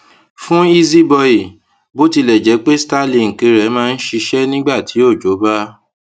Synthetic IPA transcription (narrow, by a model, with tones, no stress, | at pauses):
fũ˦i˦zi˦bɔ˧i˨ | bo˦ti˧lɛ˨d͡ʒɛ˨˦k͡pe˦sta˦lĩ˧˨ŋ̩˨kẽ˨˦ɾɛ˨˦mãː˦˧n̩˦ʃi˧ʃɛ˦nĩ˦ɡ͡ba˦˨tʰi˨˦o˦˨d͡ʒo˨˦ba˦